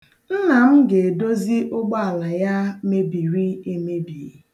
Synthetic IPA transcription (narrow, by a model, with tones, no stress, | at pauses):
n̩˦na˨m̩˦ɡe˨do˦zi˦ʔʊ˦ɡ͡ba˦a˨la˨ja˦me˦bi˨ɾi˦e˦me˦bi˨